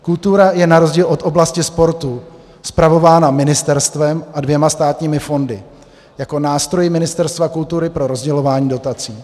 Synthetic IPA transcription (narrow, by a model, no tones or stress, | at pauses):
kult̪uɾajɛnaɾo̞zɟiːlʔo̞t̪ʔo̞blascɪspo̞ɾt̪u | spɾavo̞vaːnamɪnɪst̪ɛɾst̪vɛmʔadvjɛmast̪aːt̪ɲiːmɪfo̞ndɪ | jako̞naːst̪ɾo̞jɪmɪnɪst̪ɛɾst̪vakult̪uɾɪpɾo̞ɾo̞zɟɛlo̞vaːɲiːdo̞t̪at͡siː